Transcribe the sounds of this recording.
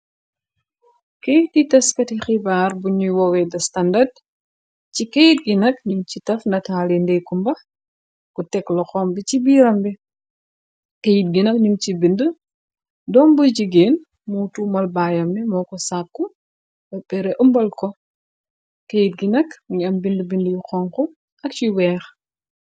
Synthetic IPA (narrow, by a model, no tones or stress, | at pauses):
kejtitɐskɐtixibaːrbuɲujwɔwɛdɐstɐndɐd | t͡ʃikejit̚ɡinɐknimcitɐfndɐtaːlindɛkumbɐ | kutɛklɔxɔmbit͡ʃibiːɾɐmbi | kejit̚ɡinɐknimt͡ʃibində | dɔːnbuɟiɡeːn | mutumɐlbaːjɐmnɛmɔːkɔsakːu | bɐbɛɾɛʔumbɐlkɔ | kejit̚ɡinɐkɲɐmbindəbindjuxɔŋkɔ | ʔɐk̚t͡ʃiwɛːx